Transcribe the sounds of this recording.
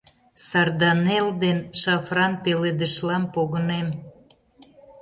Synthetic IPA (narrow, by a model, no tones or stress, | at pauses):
sɑrd̪ɑneld̪enʃɑfrɑnpeled̪əʃlɑmpoɣənem